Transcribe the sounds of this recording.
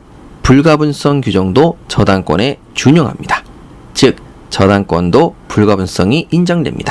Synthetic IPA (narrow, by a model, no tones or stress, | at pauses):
puɭɡabuns͈ʌŋkjud͡ʑʌŋdot͡ɕʌdaŋk͈wʌ̰ne̞ | t͡ɕuɲʌŋɦa̰mɲida | t͡ɕɯk̚ | t͡ɕʌdaŋk͈wʌndopuɭɡabuns͈ʌŋiʔind͡ʑʌŋdwe̞̰mɲḭd̥a